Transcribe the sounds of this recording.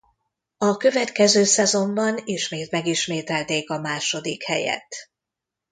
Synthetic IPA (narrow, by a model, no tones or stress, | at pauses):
ɒkø̞vɛt̪kɛzøːsɛzo̞mbɒniʃmeːt̪mɛɡiʃmeːt̪ɛlt̪eːkɒmaːʃo̞d̪ikhɛjɛ̰t̪